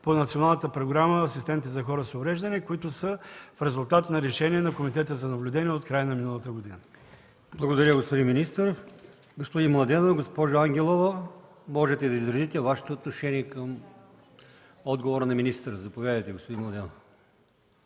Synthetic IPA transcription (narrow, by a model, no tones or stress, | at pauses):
ponɐt̪sionalˠnət̪əpɾoɡɾaməːsist̪ɛmit̪ɛzɐxɔɾəsovɾɛʒd̪ɐnikʊit̪ʊsəfɾɛzʊlˠt̪at̪nɐɾɛʃɛniɛnɐkomit̪ɛt̪əzɐnɐblʲʊd̪ɛniɛot̪kɾajənɐminəlˠɐt̪əɡod̪inə | blˠɐɡod̪ɐɾʲjəɡospod̪inminist̪əɾ | ɡospod̪inmlˠɐd̪ɛnoɡospɔʒoaŋɡʲɛlˠovə | mɔʒɛt̪ɛd̪ɐizɾɐzit̪ɛvaʃɛ̥t̪oːt̪noʃɛniɛkəm | ɔd̪ɡovoɾənɐminist̪əɾəzɐpovʲjad̪əjt̪ɛɡospod̪inmlˠɐd̪ɛno